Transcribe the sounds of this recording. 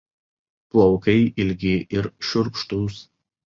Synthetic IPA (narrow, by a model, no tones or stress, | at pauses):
plˠɔʊkɐɪʔɪlʲɡʲɪʔɪɾʃʲʊɾkʃt̪us